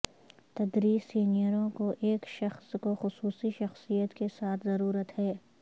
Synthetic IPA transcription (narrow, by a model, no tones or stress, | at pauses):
t̪ɐd̪ɾiːzːiːnijəɾõkoʔeːkʃɐxskoxʊsuːsiʃɐxsijət̪kesaːt̪ʰzɐɾuːɾət̪hɛː